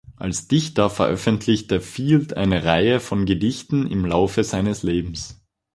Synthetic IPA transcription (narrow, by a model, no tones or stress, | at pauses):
ʔa̰lsd̥ɪçtɐfɛɐʔœfəntʰlɪçt̚d̥ːɐfiːltʰʔa̰ɪnəʁaɪəfɔnɡədɪçtn̩ɪ̰mlaʊfəzaɪnəsleːbm̩s